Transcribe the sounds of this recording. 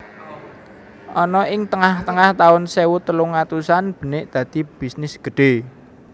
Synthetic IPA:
ʔɔnɔʔɪŋt̪əŋaht̪əŋaht̪aʊnsewut̪əluŋat̪usanb̥ə̤nɪʔd̪̥ä̤d̪̥i̤b̥isnɪsɡ̥ə̤ɖ̥e̤

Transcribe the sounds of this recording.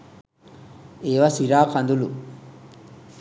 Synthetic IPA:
eːʋasiɾaːkʰand̪ulu

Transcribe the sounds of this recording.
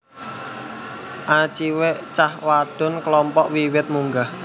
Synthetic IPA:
ʔat͡ʃiweʔt͡ʃahwaɖ̥ʊ̤nklɔmpɔʔwiwɪt̪̚muŋɡah

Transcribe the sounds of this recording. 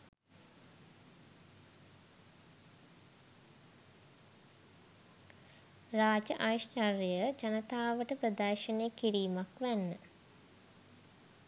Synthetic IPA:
raːd͡ʒəʔaʋiʃt͡ʃarjjəd͡ʒanət̪aːʋəʈəpɾəd̪aːʃəneːkiɾiːmakʋænːə

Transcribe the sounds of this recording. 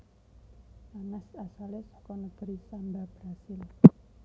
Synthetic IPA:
anɛsasalɛsɔkɔnəɡ̥ɾisandab̥ɾasɪl

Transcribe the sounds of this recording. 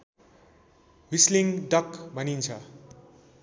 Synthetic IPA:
wisliŋɖʌkbʱʌnint͡sʰʌ

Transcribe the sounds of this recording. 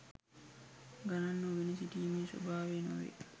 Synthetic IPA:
ɡɐnɐnːoʋinisit̪iːmiːso̰baːʋeːno̰ʋḛ

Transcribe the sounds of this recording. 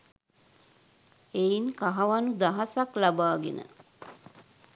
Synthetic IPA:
eiŋkaɦaʋanud̪aɦasaklabaːɡḛnə̰

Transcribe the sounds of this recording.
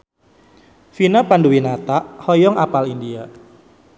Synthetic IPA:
finapanduwinat̪aʔhɔjɔŋʔapalindia

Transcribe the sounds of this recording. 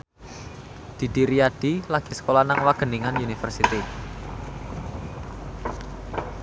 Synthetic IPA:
d̪̥i̤d̪̥iɾiad̥ilaɡ̥i̤sə̥kolanaŋwaɡ̥ə̤niŋanunifə̰rsit̪i

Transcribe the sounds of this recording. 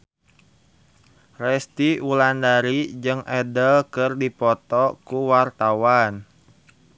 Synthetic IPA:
rɛst̪iulandaɾid͡ʒɨŋʔɛdəlkɨrdipɔt̪ɔkuwart̪awan

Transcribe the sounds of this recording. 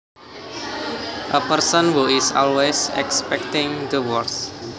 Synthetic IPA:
ʔəpərsə̃nhuisɔ̰lwesɛ̰kspɛk̚t̪ɪ̃ŋd̪əwɔrs

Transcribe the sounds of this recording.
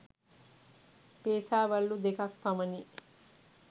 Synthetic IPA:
peːsaːʋɐlːud̪ekakpɐmɐni

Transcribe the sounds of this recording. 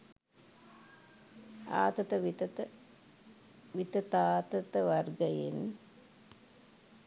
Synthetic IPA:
a̰ːt̪ɐt̪əʋ̪ | ʋit̪ət̪aːt̪ət̪əʋarɡəjḛn

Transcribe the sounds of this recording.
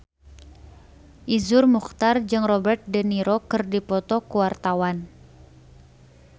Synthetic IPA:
ʔizʊrmuxt̪ard͡ʒɨŋrɔbɛrt̪̚dəniɾokɨrdipɔt̪ɔkuwart̪awan

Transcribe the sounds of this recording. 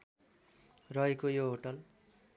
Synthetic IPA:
rʌɦekojoɦoʈʌl

